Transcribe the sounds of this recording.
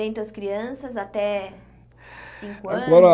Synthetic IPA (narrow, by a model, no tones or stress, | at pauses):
ẽnt̪ʊɐskɾiɐ̃sɐzat̪ɛ | sĩŋkkʊaɐ̃ɡɔɾɐ